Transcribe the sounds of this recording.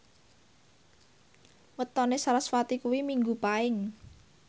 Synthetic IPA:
wət̪ɔnesaɾasfat̪ikuwimiŋɡupaɪŋ

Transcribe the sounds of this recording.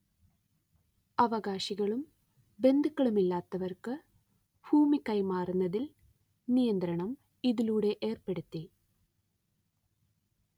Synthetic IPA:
ɐʋɐɣaːɕiɣɐɭum | be̞nd̪ɨkːɐɭumilːaːt̪ːɐʋɐrkɨ | b̥ʱuːmikːɐjmaːrunːɐðil | nijɐnd̪ɾɐɳɐm | iðiluːɽe̞ʔeːrpe̞ɽut̪ːi

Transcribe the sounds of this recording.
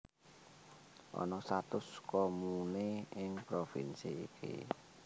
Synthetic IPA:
ʔɔ̰nɔsat̪ʊskɔmuneɪŋpɾofḭnsiːkʰḭ

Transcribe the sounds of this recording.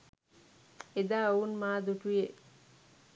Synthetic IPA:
ed̪aːounmaːd̪uʈuje

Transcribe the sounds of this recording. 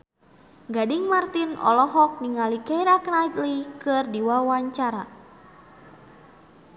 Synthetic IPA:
ɡadiŋmart̪inɔ̰lɔɦɔk̚niŋalikɛiɾaknajt̪likɨrdiwawaɲt͡ʃaɾa

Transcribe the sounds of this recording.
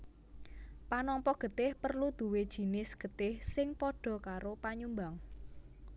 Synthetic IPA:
panɔmpɔɡ̥ə̤t̪ɪhpərlud̪̥ṳwed̥ʒ̥i̤nɪsɡ̥ə̤t̪ɪhsɪŋpɔɖ̥ɔ̤kaɾopaɲumbaŋ

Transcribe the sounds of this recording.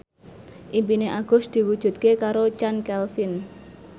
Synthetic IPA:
ʔimpineʔaɡ̥ʊ̤sd̪̥i̤wud̥ʒ̥ṳt̪̚kekaɾot͡ʃankɛlfin

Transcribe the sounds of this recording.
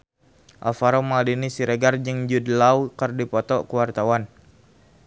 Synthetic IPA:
ʔa̰faɾomadinisiɾeɡard͡ʒəŋd͡ʒudlawkərdipɔt̪ɔkəwart̪awan

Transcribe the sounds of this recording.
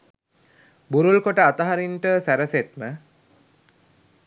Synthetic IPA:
buɾulkoʈəat̪əɦaɾinʈəsæɾəset̪mə

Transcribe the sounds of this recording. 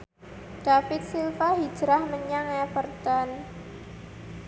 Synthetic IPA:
ɖ̥afɪt̪̚silfaɦid̥ʒ̥ɾahməɲaŋɛfərt̪an

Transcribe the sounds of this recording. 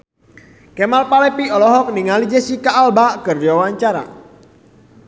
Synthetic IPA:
kɛmalpalɛpiɔlɔɦɔk̚niŋalid͡ʒɛsikaːlbaʔkɨrdiwawaɲt͡ʃaɾa̰

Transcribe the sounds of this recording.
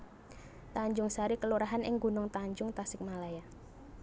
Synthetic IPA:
t̪aɲd͡ʒʊŋsaɾikəluɾaɦanɪ̰ŋɡunʊŋt̪aɲd͡ʒʊŋt̪asɪk̚malaja

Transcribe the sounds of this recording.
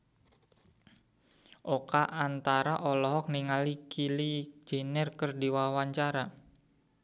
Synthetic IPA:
ʔokaʔant̪aɾaʔɔlɔɦɔk̚niŋalikilid͡ʒ̥e̤nɛrkərdiwawaɲt͡ʃaɾa

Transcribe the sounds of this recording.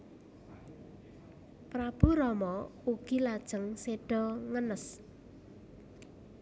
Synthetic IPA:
pɾab̥ṳɾɔmɔuɡ̥ilad̥ʒ̥əŋseɖ̥ɔ̤ŋənəs

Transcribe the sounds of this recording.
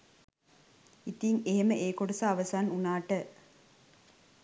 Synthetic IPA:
it̪iŋeɦeməʔeːkoɽusaːʋɐsaːnunaːʈə

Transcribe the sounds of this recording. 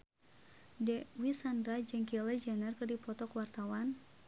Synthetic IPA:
dɛwisandɾad͡ʒəŋkilɛd͡ʒanərkɨrdipɔt̪ɔkwart̪awan

